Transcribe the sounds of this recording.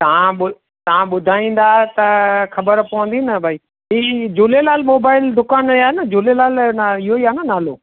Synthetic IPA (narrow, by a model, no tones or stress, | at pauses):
t̪ɐʋ̤ãɓʊ | t̪ɐʋãɓʊd̪ʱaːĩːn̆d̪aːet̪ɐxɐbəɾpɐʋə̃nd̪inɐbʱaːiː | ɦiːd͡ʑuːlelaːlmoːbaːɪld̪ʊkaːnaːnɐd͡ʑulelaːlɪɦoiaːnɐnaːloː